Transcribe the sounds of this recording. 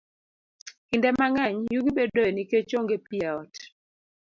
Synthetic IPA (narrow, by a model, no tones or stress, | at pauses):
kindɛmaŋɛɲjuɡibɛdɔɛniket͡ʃoŋɡepiɛɔt